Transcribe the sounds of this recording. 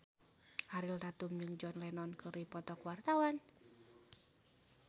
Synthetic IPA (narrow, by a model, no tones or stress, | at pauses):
haɾilt̪at̪ʊmd͡ʒɨŋd͡ʒɔnlɛnɔnkʰəɾipɔt̪ɔkuwart̪awan